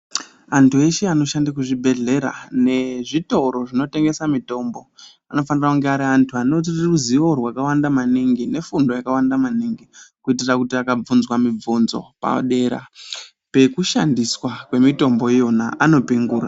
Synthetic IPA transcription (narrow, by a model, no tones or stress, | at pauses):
antʰue̞ʃeano̞ʃandak̬uʐibʱe̞ɮe̞ɾa̰ne̞ʐito̞ɾo̞ʐino̞te̞ŋɡe̞samito̞ːmbo̞ | ano̞fanirakuŋɡeaɾiantʰuano̞t̬iriruziʋo̞rwakawandamaniŋɡine̞fundo̞jakawandamaniŋɡikuitirakutiakab͡vunzwamib͡vunzo̞̰pa̰ɗe̞ːɾa̰ | pe̞kuʃandiswakwe̞mito̞mbo̞ijo̞na̰ʔano̞piŋɡuːra̰